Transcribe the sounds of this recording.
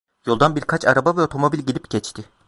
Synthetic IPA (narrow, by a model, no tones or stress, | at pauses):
jo̞lˠd̪anbiɾkʰat͡ʃʰaɾabavɛo̞t̪ʰo̞mo̞bilʲɟilʲipɟɛt͡ʃt̪ʰɪ